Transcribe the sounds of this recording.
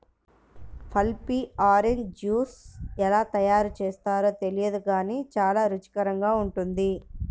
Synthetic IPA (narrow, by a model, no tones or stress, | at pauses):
pʰɐlpiaːɾend͡ʒuːsɛlaːt̪ɐjaːɾut͡ʃeːst̪aːɾo̞ːt̪e̞lijɐd̪uɡaːniːt͡ʃaːlaːɾut͡ʃi̥kɐɾɐŋɡaːuɳʈund̪i